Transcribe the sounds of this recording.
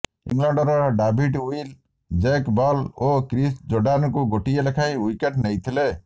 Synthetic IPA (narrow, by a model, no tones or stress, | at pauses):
ḭŋlaɳɖɔɾɔɖabʱiʈujl | d͡ʒekbɔlokɾisd͡ʒoɾɖankuɡoʈijelekʰaj̃ujkeʈnejt̪ʰile